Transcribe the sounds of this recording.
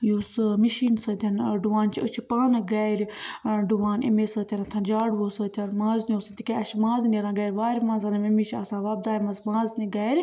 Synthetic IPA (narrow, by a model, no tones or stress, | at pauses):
jusɨmiʃiːnsəd̪ʲɐnɖuʋaːnt͡ʃʰiət͡ʃʰipaːnɡaːɾɖuʋaːnḛmeːsət̪ʰʲɐɾɐt̪ʰɐ̃nd͡ʒaːɽʋoːsət̪ʰʲɐɾmãːznioːsɨnt̪ikeɐt͡ʃʰmãːznɐɾãːɡɐːɾʲʋaːɾʲmãːnzɐnɐmɐmit͡ʃʰiɐsãːʋaːb̚d̪aːjimɐsmãːzniɡaːɾʲ